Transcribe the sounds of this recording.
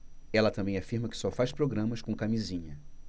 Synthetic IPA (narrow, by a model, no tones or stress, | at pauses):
ɛlɐt̪ɐ̃mbẽj̃afiɾmɐkɪ̥sɔfajʃpɾoɡɾɐ̃mɐskõkamizĩɲɐ